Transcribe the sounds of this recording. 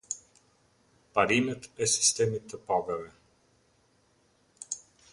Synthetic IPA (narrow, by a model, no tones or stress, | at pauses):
pɐɾimɛt̪ɛsi̥st̪ɛmit̪əpɔɡɐvɛ